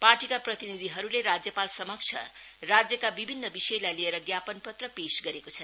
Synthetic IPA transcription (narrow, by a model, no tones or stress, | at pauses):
parʈikaprʌt̪inid̪ʱiɦʌɾuleɾad͡zjʌpalsʌmʌk̚t͡sʰʌ̰ | rad͡zjʌkabibʱinːʌbisʌjlajlieɾʌɡjapʌnpʌt̪rʌpesɡʌɾekot͡sʰʌn